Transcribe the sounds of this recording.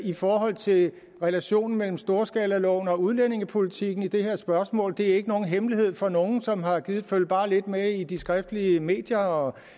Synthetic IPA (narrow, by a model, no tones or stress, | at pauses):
ifɒːɦɒ̽l̰t͡sʰe̝ | ʁɛlæɕo̝̰ːnn̩mel̰m̩sd̥o̝ːɐsɡ̥ɛːlælɒʊ̰n̩ɒ̽uð̞ˠlene̝ŋəpʰo̝lit͡sʰiɡ̥n̩id̥e̝he̝ɐ̰sb̥ɶɐsmɔ̰̽ːld̥e̝æɐe̝ɡ̥əno̝ːn̩ɦemliɦe̝ð̞̰ˠfɒ̽no̝ːn̩sɒ̽mɦɑ̈ɡ̥iːð̩ˠføl̰b̥ɑ̈ːle̝d̥meid̥isɡ̥ʁafd̥əliəme̝̰ːd̥jɐɒ